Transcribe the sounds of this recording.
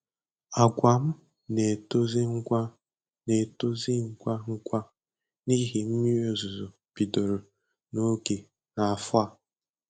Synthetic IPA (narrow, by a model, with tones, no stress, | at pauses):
a˨ɡʷa˨m̩˦ | ne˨to˦zi˦ŋ̩ʷ˦a˦ | ne˨to˦zi˦ŋ̩˦kʷa˦ŋ̩˦kʷa˦ | ni˦ɦi˨m̩˦mi˦o˦zʊ˨zo˨ | pi˨do˨ɾo˨ | no˦ɡe˨ | na˨a˨fʊ˦a˦